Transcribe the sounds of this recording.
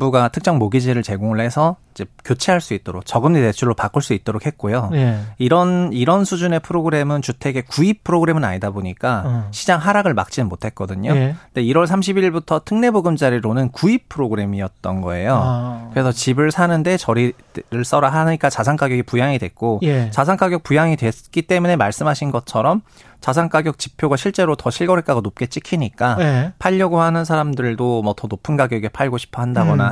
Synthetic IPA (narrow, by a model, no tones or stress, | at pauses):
buɡatʰɯk̚t͡ɕ͈ʌŋmoɡid͡ʑiɾɯɭt͡ɕe̞ɡoŋɯɭhe̞sʰʌid͡ʑekjot͡ɕʰeɦaɭs͈uit͈oɾok̚t͡ɕʌɡɯmnete̞t͡ɕʰuɭːopak͈ɯɭs͈uit͈̚oɾok̚ʰhet̚k͈ojojiɾʌniɾʌnsʰud͡ʑune̞pʰɯɾoɡɯɾe̞mɯnt͡ɕutʰe̞ɡe̞kuipʰɯɾoɡɯɾe̞mɯna̰ɲidaboɲik͈aɕʰid͡ʑaŋɦaɾaɡɯɭma̰k̚t͡ɕ͈inɯnmotʰe̞t̚k͈ʌdɯɲonde̞iɾwʌɭsʰamɕ̬ʰibiɭbutʰʌtʰɯŋne̞boɡɯmd͡ʑaɾiɾonɯnkuipʰɯɾoɡɯɾe̞miʌt̚t͈ʌnɡʌe̞jokɯɾe̞sʰʌt͡ɕibɯɭsʰanɯnde̞t͡ɕʌɾi | ɾɯɭs͈ʌɾaɦaɲik͈at͡ɕasʰaŋk͈aɡjʌɡipujaŋidwe̞k͈ojt͡ɕasʰaŋk͈aɡjʌk̚pujaŋidwe̞k͈it͈e̞mune̞maɭs͈ɯmɦaɕʰinɡʌt͡ɕʰʌɾʌm | t͡ɕasʰaŋk͈aɡjʌk̚t͡ɕipʰjoɡaɕʰiɭt͡ɕ͈e̞ɾotʌɕʰiɭɡʌɾɦek͈aɡonop̚k͈e̞t͡ɕ͈ikʰiɲik͈apʰaʎːʌɡohanɯnsʰaɾamdɯɭdomʌtʌnopʰɯnɡaɡjʌɡepʰaɭɡoɕʰi̥pʰʌɦhandaɡʌna